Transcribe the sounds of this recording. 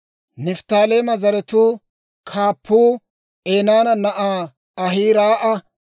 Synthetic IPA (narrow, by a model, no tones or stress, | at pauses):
nɪft̪aːleːmɐzɐɾɛt̪uː | kʰaːpːuː | eːnaːnɐnɐʔaː | ɐɦiːɾaːʔɐ